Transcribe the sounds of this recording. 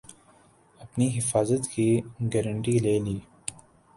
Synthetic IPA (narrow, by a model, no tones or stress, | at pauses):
ɐpniɦɪfaːzət̪kiɡɛɾəɳʈileːliː